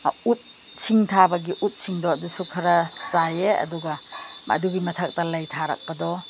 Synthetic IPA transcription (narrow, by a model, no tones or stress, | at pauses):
ut̚ | sʰiŋtʰabɐɡiʔut̚siŋdɔɐdusukʰɐɾɐzajeɐ̰duɡɐmʔa̰duɡimɐtʰɐk̚tɐlɐjtʰaɾɐ̰k̚pɐdɔ